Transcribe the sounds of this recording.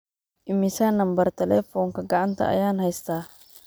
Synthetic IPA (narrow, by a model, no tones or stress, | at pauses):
ʔɪmisanɐmbɐɾt̪ɛlɛfɔnkɐɡaʔant̪ɐ̰a̰jaːnhajst̪a